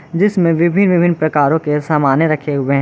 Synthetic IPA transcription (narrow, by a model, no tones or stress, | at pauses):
d͡ʒɪsmẽʋɪbʱɪnʋɪbʱɪnːpɾɐkaːɾõkesaːmaːnjeɾɐkʰeɦʊeɦɛ̃